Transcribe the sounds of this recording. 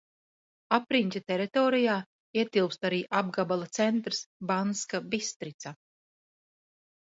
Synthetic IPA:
apɾinʲt̪ʲat̪ɛɾit̪ɔːɾijaː | iɛt̪ilˠpst̪aɾiːʔab̚ɡabalˠat̪sɛnt̪ɾsbanskabist̪ɾit̪sa

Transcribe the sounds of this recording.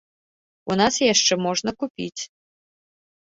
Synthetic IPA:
unasjaʂt͡ʂɛmɔʐnɐkupʲḭt͡sʲ

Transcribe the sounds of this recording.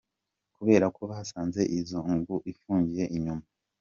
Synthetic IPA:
kuβe̞ːɾakʰo̞βahasaːnze̞ʔizoŋɡuʔifuːɲɟije̞ʔiɲuma

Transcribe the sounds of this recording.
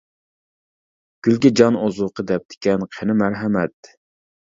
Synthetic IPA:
ɡ̥ʲylɡʲid͡ʒɑnozʊqʰəd̪ɛp̚d̪̥ɪ̥kʲɛnqʰenɪmæɾɦɛmɛt̪̚

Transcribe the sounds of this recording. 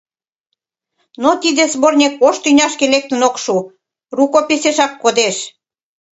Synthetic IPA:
not̪id̪ezβornʲekːoʃt̪ynʲɑʃkelek̚t̪ənokʃu | rukopeseʃɑkːod̪eʃ

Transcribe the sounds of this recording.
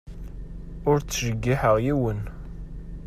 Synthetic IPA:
ʊɾt͡sːʃəɡːiħəʁjiwən

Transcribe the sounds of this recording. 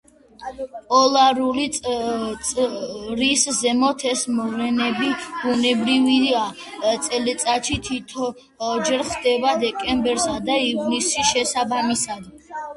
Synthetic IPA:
pʼɔlˠaɾulit̪ʼ | ɾiszɛmɔt̪ʰɛsmɔvlɛnɛbibunɛbɾivia | t̪sʼɛlit̪sʼat̪ʃit̪ʰit̪ʰɔ | d͡ʒɛɾχd̪ɛbad̪ɛkʼɛmbɛɾsad̪aivnisiʃɛsabamisad̪

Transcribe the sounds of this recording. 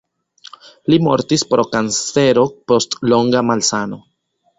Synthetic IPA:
limo̞̰ɾtispɾo̞kanse̞ɾo̞po̞stlo̞ŋɡamalsano̞

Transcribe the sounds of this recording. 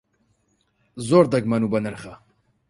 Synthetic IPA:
zoːɾd̪ɐɡmɐnubɐnəɾχɐ

